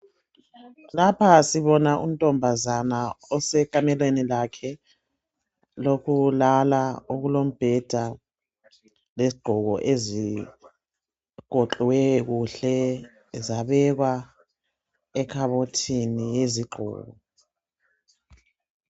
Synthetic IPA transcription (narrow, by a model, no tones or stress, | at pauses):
lapʰasiβɔnaʔṵm̩tʼɔmbʱazanaɔsɛkʼamɛlwenilakʰɛ | lokʰulalaoɣulom̩b̥ʱɛd̥ʱa | leziɡ͡ǃ̥ʱɔɣɔʔezi | kɔǃwɛɣuɬɛ | zaβɛɣwa | ɛkʰaβotʰinijeziɡ͡ǃʱɔ̰ːɣɔ